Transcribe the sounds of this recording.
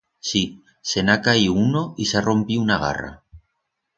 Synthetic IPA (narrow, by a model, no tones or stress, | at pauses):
si | senakaiunoisaro̞mpiunaɣa̰ra̰